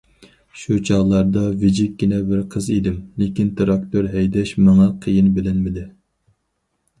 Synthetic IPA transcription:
ʃut͡ʃʰɑʁlˠɑɾd̪ɑvɪd͡ʒɪk̚ʲɡʲinɛbɪɾqʰəzid̪ɪmlɪkʲint̪ʰɾɑk̚t̪ʰoɾɦɛjd̪ɛʃmɑŋɑqʰəjinbɪlɪnmɪd̪ɪ

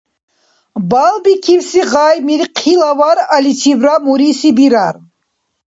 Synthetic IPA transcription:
balˠbikʰivsiʁajmiɾqʰilavaɾalit͡ʃʰivɾamuɾisibiɾar

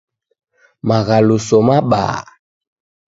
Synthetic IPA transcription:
maɣalusɔmaɓa̰ː

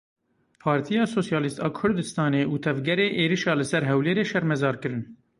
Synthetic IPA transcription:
pʰɑːɾt̪ʰijɑːsoːsjɑːlist̪ɑːkʰʊɾd̪ɨst̪ɑːneːʔuːt̪ʰɛvɡɛɾeːʔeːɾiʃɑːlɨsɛɾɦɛwleːɾeːʃɛɾmɛzɑːɾkɨɾɨn

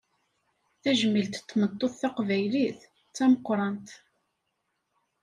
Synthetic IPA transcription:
θæʒəmilt̪t̪ːmət̪ˤːoðθɑqvæjliθ | t͡sːæməqːɾˤɑnt̪

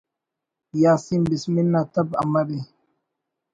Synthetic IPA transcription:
jaːsimbisminːat̪ɐba̰mɐɾi

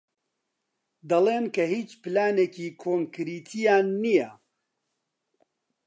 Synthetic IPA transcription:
d̪ɐleːnkʰɐhiːt͡ʃpɨlaːneːkiːkʰoːŋkɨɾiːt̪ʰijaːnːijɛ

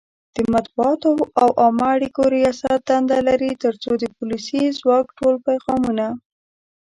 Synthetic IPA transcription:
d̪̥əmat̪̚buɑt̪oawʔɑmaaɽikoɾijɑsat̪̚d̪and̪alaɾit̪əɾt͡sod̪əpulisizwɑkʈolpajɣɑmuna

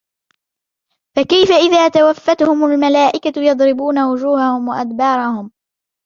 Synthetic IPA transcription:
fakajfaʔɪðaːt̪awafːat̪hʊmalmalaːʔɪkajɑd̪ˤɾɪbuːnawʊd͡ʒuːhahʊmwaʔad̪bɑːɾˤɑhʊm

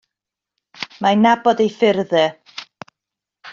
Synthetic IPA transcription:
manabɔdejfɪrðɛ

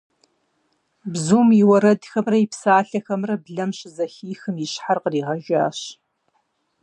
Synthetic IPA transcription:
bzuːmjɪwɐɾɐdxɐmrɐjipsaːɬɐxɐmrɐbɮɐmɕʼɪzɐxiːxɨmjɪɕħarqəriːʁɐʒa̰ːɕ

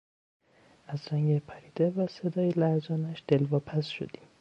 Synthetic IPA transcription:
æzɾæŋɡepʰæɾiːd̪evæsed̪ɒːjelæɾzɒːnæʃd̪̥elvɒːpʰæsʃo̰d̪̥i̥m

